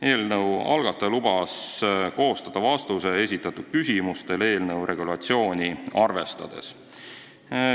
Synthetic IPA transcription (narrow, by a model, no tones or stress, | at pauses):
e̞ːlnɤwɑ̰lɡ̥ɑt̪ːˑɑlub̥ɑsko̞ːst̪ɑd̪̥ɑvɑst̪use̞e̞s̬ʲit̪ːˑɑt̪ːud̪̥̚kysʲimust̪e̞le̞ːlnɤwɾe̞ɡulɑt̪sio̞ːnʲiɑrve̞st̪ɑ̰d̪̥e̞̰s